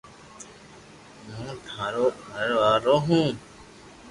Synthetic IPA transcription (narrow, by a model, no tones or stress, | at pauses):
mũːt̪ʰãːɾoːəɾʋaːɾoɦũː